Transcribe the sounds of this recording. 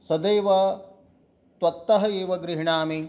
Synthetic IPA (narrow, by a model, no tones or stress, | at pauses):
sɐd̪eːʋɐ | t̪wɐt̪ːɐɦɐeːʋɐɡɾiɦiɳaːmi